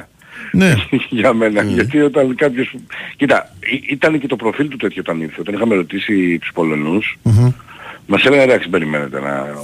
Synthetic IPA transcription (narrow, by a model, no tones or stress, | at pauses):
neʝɐme̞nɐʝʝɐt̪io̞t̪ɐnkɐpçoscit̪ɐ̰iʔit̪ɐnece̞t̪o̞pɾo̞filt̪ut̪e̞t̪çoot̪ɐniɾθeot̪ɐnixɐmeɾo̞t̪isit̪u̥spo̞lo̞nus | mɐselenɐd̪ɐksibe̞ɾime̞ne̞t̪e̞̰nɐ̰